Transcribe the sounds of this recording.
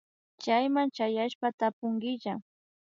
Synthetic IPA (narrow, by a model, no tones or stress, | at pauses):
t͡ʃajmant͡ʃajaʃpat̪apʊŋɡɪʒa